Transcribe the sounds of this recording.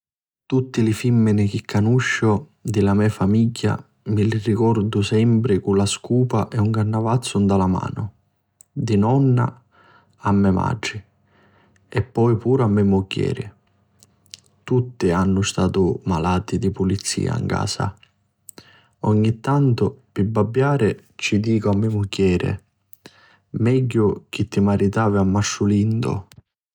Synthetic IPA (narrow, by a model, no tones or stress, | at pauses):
t̪ut̪ːilifimːɪnɪk̟ikʰːanuʃːʊ | d̪ɪlamɛfamiɟːa̰ | mɪlirikɔrd̪ʊsɛmpɾɪkulaskuːpaʔɛuŋkarnːavat̪sːʊnd̪alama̰ːnʊ | d̪inɔnːa̰ | amːɛma̰ːɪ | ɛpːɔjpuːɾamːɛmːʊɟːɛ̰ːɾɪ̰ | t̪ut̪ːɪanːʊst̪aːt̪ʊmalaːt̪id̪ipʊlit̪sːḭːa̰ḭŋka̰ːsa̰ | ɔɲːit̪ːant̪ʊpɪbːabːjaːɾɪ | t͡ʃid̪iːkʊamːɪmukːɛːɾɪ̰ | mɛɟːʊk̟it̪ːimaɾit̪aːvɪamːaʃːʊlind̪ʊ̰